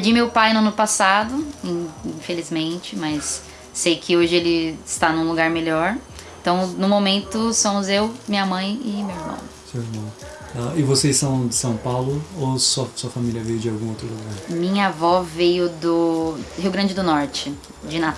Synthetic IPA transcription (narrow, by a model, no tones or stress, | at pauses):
d͡ʒimewpajnʊɐ̃nʊpasad̪ʊĩfelizmẽnt͡ʃɪmɐsː | ejkʰɪoʒɪelɪɪst̪anũluɡaɾmelɔɾ̃ | t̪ɐ̃w̃nʊ̃momẽnt̪ʊsõmʊzewmĩɲɐmɐ̃j̃ɪmewɪɾmɐ̰̃w̃sewɪɾmɐ̃ | aɪvosesːɐ̃w̃d͡ʒɪsɐ̃w̃pawlʊosɔsuɐfamilʲiɐvejʊd͡ʒɪawɡũowt̪ɾʊluɡaɾmĩɲɐvɔvejʊd̪ʊhiwɡɾɐ̃nd͡ʒɪd̪ʊnɔɾt͡ʃɪ | d͡ʒɪnat̪